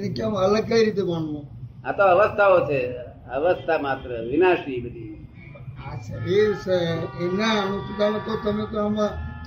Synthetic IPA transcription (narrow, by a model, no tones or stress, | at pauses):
nekamələɡ̚kəiɾit̪̬emaɳnõat̪oəʋəst̪ʰaot͡ʃʰe | əʋəst̪ʰamat̪ɾəʋinaʃibəd̪ʱi | asəɾeɾsaenanũtikalẽt̪ot̪əmek̪oəmã